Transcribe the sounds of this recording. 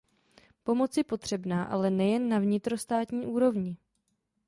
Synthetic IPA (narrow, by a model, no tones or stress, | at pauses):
po̞mo̞t͡sjɛpo̞t̪r̝̥ɛbnaːʔa̰lɛnɛjɛnːavɲɪt̪ɾo̞st̪aːt̪ɲiːʔuːɾo̞vɲɪ